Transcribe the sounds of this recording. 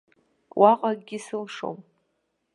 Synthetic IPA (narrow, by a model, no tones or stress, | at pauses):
wʔaqʼaɡɡʲisɨlʂo̰m